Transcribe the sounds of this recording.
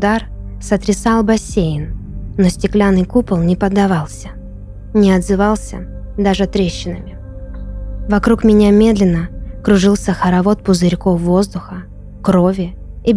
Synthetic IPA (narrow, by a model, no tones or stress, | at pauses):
d̪arsət̪ɾʲɪsɑlˠbɐsʲejɪnnːosʲtʲɪklʲanɨjkupəlˠnʲɪpəd̪ːɐvɑlˠsʲə | nʲɪɐd̪zɨvɑlˠsʲə̰d̪aʐɨt̪ɾʲeɕːɪnəmʲɪ | vɐkɾukmʲɪnʲamʲe̞d̪lʲɪnːəkɾʊʐɨlˠsʲəxəɾɐvo̞t̪̚pʊzɨɾʲkofːozd̪ʊxə | kɾo̞vʲɪ | ɪbʲ